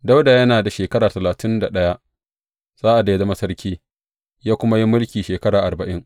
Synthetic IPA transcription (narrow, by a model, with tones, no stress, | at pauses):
da˦wda˨jɐ˦naː˨da˨ʃeː˨kɐ˦ɾaː˨tɐ˨laː˨tɪ˦nda˨ɗɐ˦ja˦ʔ | z̥aː˦ʔa˨dːja˦zɐ˦ma˦sɐ˦ɾkʲiː˦ | jaː˦kʷʊ˦ma˦ji˦mʊ˦lkʲiː˨ʃeː˨kɐ˦ɽaː˨ʔa˨bɐ˨ʔɪ˦ŋ